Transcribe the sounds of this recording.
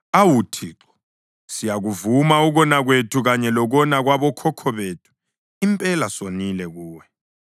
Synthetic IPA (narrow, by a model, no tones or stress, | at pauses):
awutʰiːǁɔ̥ | sijaɣuvumauɣɔnaɣwetʰuɣaɲɛlɔɣɔnaɣwaβɔkʰɔkʰɔβeːtʰu̥ | impʼɛlasonilɛɣuːwɛ